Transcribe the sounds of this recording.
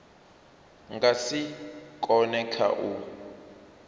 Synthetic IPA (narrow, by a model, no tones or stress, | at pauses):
ŋɡasikʼɔnɛkʰa̰ʔu